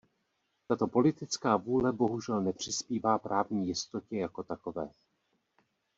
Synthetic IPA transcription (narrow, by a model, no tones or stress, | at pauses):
t̪at̪o̞po̞lɪt̪ɪt͡skaːvuːlɛbo̞ɦuʒɛlnɛpr̝̥ɪspiːvaːpɾʔaːvɲiːjɪst̪o̞cɛjako̞t̪ako̞vɛː